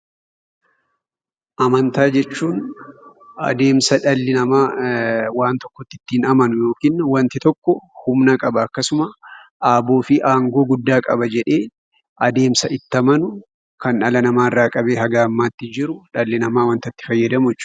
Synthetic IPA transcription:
ʔɐmɐnt̪aːd͡ʒɛt͡ʃːuːn | ʔɐ̰d̪e̞ːmsɐᶑɐlːɪnɐmaːwaːnt̪ɔkːɔt̪ːɪt̪ːɪːnɐmɐnʊjo̞ːkiːnwɐnt̪ɪt̪ɔkːɔhʊmnakʼɐbɐːkːɐsʊmɐʔaːbo̞ːfɪʔaːŋɡo̞ːɡʊd̪ːaːkʼɐ̰bɐd͡ʒɛᶑe̞ː | ʔɐd̪e̞ːmsɐʔɪt̪ːɐmɐnʊ | kʰɐnɐlɐnɐmaːɪrːaːkʼɐbe̞ːɦɐɡaːmːaːt̪ːɪd͡ʒɪɾʊᶑɐlːɪnɐmaːwɐnt̪ɐt̪ːɪ̥fɐjːɐd̪ɐmʊt͡ʃː

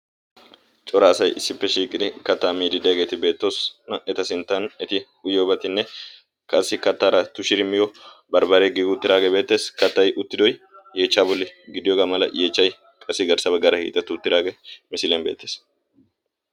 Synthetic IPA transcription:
t͡ʃʼɔɾaːsɐjɪsːɪpːɛʃiːkʼɪd̪ɪkɐt̪ːaːmiːd̪ɪd̪ɛjɐɡe̞ːt̪ɪbe̞ːt̪ːo̞ːsnɐɛt̪ɐsɪnt̪ːɐnɛt̪ɪ | ʊjoːbɐt̪ɪnːɛ | kʰʼɐsːɪkɐt̪ːaːɾɐt̪ʊʃɪɾɪmːɪjɔbɐɾbɐɾeɡɪɡʊʊt̪ːɪd̪aːɡebe̞ːt̪ːe̞ːskɐt̪ːɐjʔʊt̪ːɪd̪ɔj | je̞ːt͡ʃːaːbɔlːɪɡɪd̪ɪjoːɡaːmɐlɐ̰jʔe̞ːt͡ʃːɐj | kʼɐsːɪɡɐɾsɐbɐɡɐɾɐhḭːt̪ʼːɐt̪ːʊʊt̪ːɪd̪aːɡemɪsɪlenbeːt̪ːe̞ːs

